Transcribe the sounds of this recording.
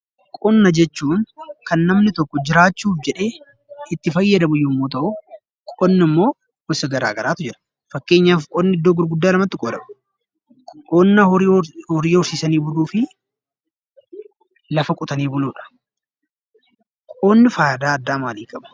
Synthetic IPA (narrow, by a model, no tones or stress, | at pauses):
kʼɔnːɐd͡ʒɛt͡ʃːuːnkɐnːɐmnɪt̪ɔkːɔd͡ʒɪɾaːt͡ʃːuːfd͡ʒɛᶑe̞ː | ɪt̪ːɪfɐjːɐd̪ɐbʊjːʊmːoːt̪̬ɐʔʊ | kʼɔnːɪmːo̞ː | ʊsɐɡɐɾa̰ːɡɐɾaːt̪ʊd͡ʒɪɾɐ̥ | fɐkːe̞ːɲːaːfkʼɔnːɪɪd̪ːoːɡʊɾɡʊd̪ːaːlɐmɐt̪ːɪkʼoːd̪ɐbɐ̥ | kʼoːnːɐhɔɾiːhɔɾsiːsɐniːbʊluːfɪ | lɐfɐkʼʊt̪ɐniːbʊluːᶑɐ̥ | kʼoːnːɪfaːjɐd̪aːɐd̪ːaːmaːliːkʼɐbɐ̥